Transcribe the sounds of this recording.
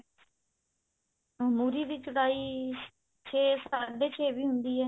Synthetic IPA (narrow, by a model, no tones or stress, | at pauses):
muɾiːd̪iːt͡ʃʊɽaːiː | t͡ʃʰeːsaːɖeːt͡ʃʰeːʋiːɦʊnd̪iːɦɛː